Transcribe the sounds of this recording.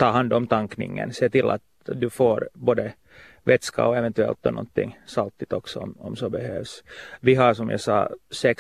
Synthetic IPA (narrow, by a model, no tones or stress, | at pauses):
t̪ʰɑːɦand̪ɔmt̪ʰaŋknɪ̰ŋːə̰nseːt̪ɪlːʔa̰t̪ | d̪ɵfoːɾboːd̪ə | vɛt̪ska̰ɔɛvɛnt̪ʉɛ̰lt̪ːɔnɔ̰nt̪ʰːɪ̰ŋːsalt̪ːɪt̪ɔksɔɔmɔmsɔbɛhøːvsvɪɦaʂɔmja̰sɑ̰ːsɛk